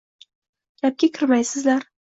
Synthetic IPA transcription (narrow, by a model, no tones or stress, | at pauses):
ɡʲap̚kʲakʲʰɪɾmajsɪzlaɾ